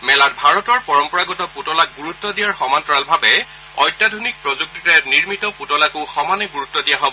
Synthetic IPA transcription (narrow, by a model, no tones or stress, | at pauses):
mɛlatbʱaɹɔtɔɹpɔɹɔmpɔɹaɡɔtɔputɔlak̚ɡuɹutːɔdijaɹxɔmantɹalbʱabɛ | ɔ̰jtːadʱunik̚pɹɔzuk̚titɛniɹmitɔputɔlakʊxɔmanɛɡuɹutːɔdijaɦɔbɔ